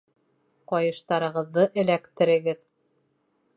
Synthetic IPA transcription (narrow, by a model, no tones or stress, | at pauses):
qɒjɤ̆ʃt̪ɑɾɤ̆ʁɤ̆ðːɤʔɘ̆lækt̪ɘ̆ɾɘ̆ɡɘð